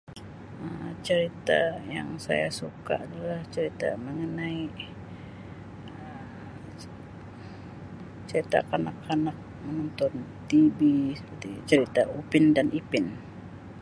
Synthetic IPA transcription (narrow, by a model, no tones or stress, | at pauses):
əmt͡ʃəɾit̪a̰ja̰ŋsa̰jasuka̰ʔadalaht͡ʃəɾit̪a̰məŋənai | ə | t͡ʃəɾit̪a̰kanakːanak̚mənɔnt̪ɔnt̪ibisəpərt̪it͡ʃəɾit̪aupɪndanipɪn